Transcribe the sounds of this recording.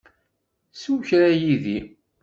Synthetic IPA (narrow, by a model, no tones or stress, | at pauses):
suwçɾajiði